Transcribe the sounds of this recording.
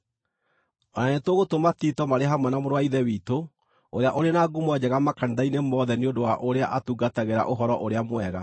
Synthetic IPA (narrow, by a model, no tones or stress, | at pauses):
ɔnanetoɣotomatitɔmaɾeɦamwɛnamoɾwaiðɛwiːto | oɾeaʔoɾenaɡumwɛd͡ʑɛɣamakaniðainemɔðɛneondowaʔoɾeaʔatuɡataɣeɾa̰ʔoɦɔɾɔʔoɾeamwɛɣa